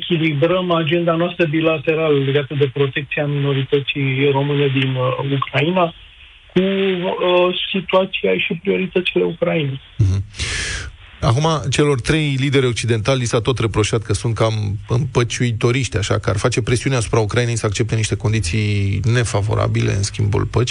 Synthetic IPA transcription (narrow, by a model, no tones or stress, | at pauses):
ekʲilibɾəmad͡ʒe̞nd̪anoast̪ɾəbilat̪e̞ɾaləle̞ɡat̪əd̪e̞pɾo̞t̪e̞k̚t̪siamino̞ɾit̪ət̪sijro̞mɨned̪inukɾaina | ku | sit̪uat̪siajʃipɾio̞ɾit̪ət̪sile̞ukɾainej̩ɦ̩ | a̰kumat͡ʃe̞lo̞rt̪ɾe̞jlid̪e̞ɾeok̚t͡ʃid̪e̞nt̪alːisat̪o̞t̪re̞pɾo̞ʃat̪̚kəsunt̪̚kamɨnpət͡ʃujt̪oɾiʃt̪ʲaʃa̰kəa̰rfat͡ʃe̞pɾe̞siuneasu̥pɾaukɾajine̞jsəak̚t͡ʃe̞p̚t̪eniʃt̪e̞ko̞nd̪it̪sijne̞favo̞̰ɾa̰bile̞̰ɨ̰nskʲimbṵlpət͡ʃʲ